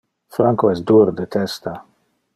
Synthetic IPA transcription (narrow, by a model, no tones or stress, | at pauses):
fɾaŋkoɛsd̪uɾd̪et̪ɛst̪a